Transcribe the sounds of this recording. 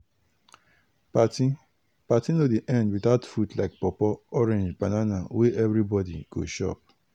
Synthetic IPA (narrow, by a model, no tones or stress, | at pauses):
patĩ | patĩnodiʔɛ̃ndwiθaʊtfutlaɪk̚pɔpɔɔɾẽnd͡ʒbananaweʔɛvɾibɔdiɡ̥o̰ʃɔ̰p̚